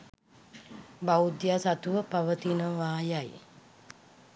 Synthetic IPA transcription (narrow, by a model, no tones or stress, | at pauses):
baud̪jaːsat̪uʋəpaʋət̪inəʋaːjaj